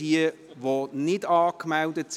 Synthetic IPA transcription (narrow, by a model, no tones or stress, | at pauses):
iə | ʋonɪdɑːkmɛldəts